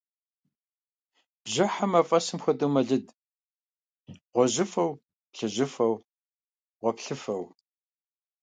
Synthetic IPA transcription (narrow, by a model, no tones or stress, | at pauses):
bʒɐħamɐfʼɐsɨmxʷɐdɨwmɐɮɨd | ʁʷɔʑɪfɐw | pɬɨʑɪfɐw | ʁʷɔpɬɨfɐw